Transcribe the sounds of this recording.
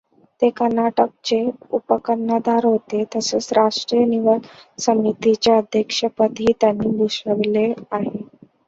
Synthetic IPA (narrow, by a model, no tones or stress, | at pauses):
t̪ekəɾnaʈək̚t͡ɕeupəkənːəd̪ʱaɾɦot̪et̪əseːt͡sɾaʂʈɾijəniʋəsəmit̪it͡ɕjaəd̪ʱjəkʂəpət̪iːt̪janːiːbʱuɕəʋleaɦe